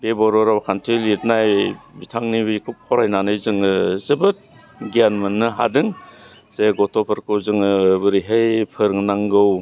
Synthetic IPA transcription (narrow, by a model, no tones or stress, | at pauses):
bebɔɾɔɾawkʰantʰilit̚najbitʰaŋnibikʰup̚kʰɔɾajnanɯjzɯŋɯzɯbɯt̚ | ɡianmɯnːɯɦa̰dɯŋ | seɡɔtʰɔpʰɯɾkɯwzɯŋɯbɯɾiɦejpʰɯɾŋnaŋɡɯw